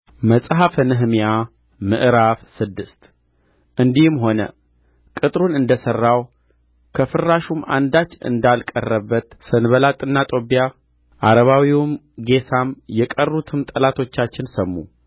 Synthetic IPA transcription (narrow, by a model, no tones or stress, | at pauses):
məsʼɦafənɨɦmija | mɨʔɾafsɨd̪ːɨst̪ | ʔɨnd̪ihmɦo̞nə̰ | kʼɨt̪ʼɾunɨnd̪əsərːaw | kʰəfɨrːaʃuma̰nd̪at͡ʃːɨ̰nd̪alkʼə̰rːəbːət̪sɨnβəlat̪ʼɨnːat̪ʼo̞bija | ʔaɾəβawiwm | ɡe̞t̪ʰamjɛkʼərːut̪ʰɨmt̪ʼəlat̪ʰo̞t͡ʃːat͡ʃːɪnsəmːu